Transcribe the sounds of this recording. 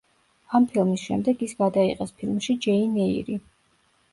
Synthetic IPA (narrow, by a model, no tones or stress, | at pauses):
ampʰilˠmisʃɛ̰md̪ɛɡisɡad̪aiqʼɛspʰilˠmʃid͡ʒɛinɛḭɾi